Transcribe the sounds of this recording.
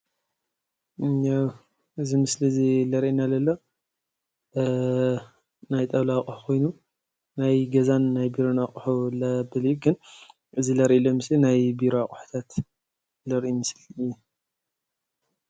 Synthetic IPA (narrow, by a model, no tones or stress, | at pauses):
aw | ʔɨzimɨslizilɐɾʔinalɐlːo̞ | najt̪ʼɐβlakʼħu̥kʰo̞jnu | najɡɐzanːajbiɾonaχʼħulɐbɨljuɡɨn | ʔɨzilɐɾʔilomɨslinajbiɾoaχʼħu̥t̪ʰat̪ | lɐɾʔimɨsliɨjːu